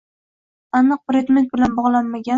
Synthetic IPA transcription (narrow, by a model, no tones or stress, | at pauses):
anɨq̚pɾed̪me̞nt̪̚bɪlanbɒʁlˠanmaɡʲa